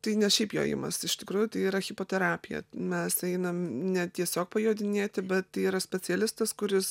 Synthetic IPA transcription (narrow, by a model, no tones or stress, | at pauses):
t̪ɐɪnʲɛʃʲɛɪpjo̰ːjɪ̰mɐ̰sɪʃt̪ʲɪkɾuːjʊt̪ɐɪiːɾɐxʲɪpoːt̪ʲɛɾɑːpʲɪjɛ̰mʲɛsɛɪnɐmnʲɛt̪ʲiɛsʲoːk̚pɐjoːd̪ʲɪnʲeːt̪ʲɪbʲɛt̪ːɐɪiːɾɐsʲpʲɛt͡s̪ʲɛlʲɪst̪ɐskʊɾʲɪs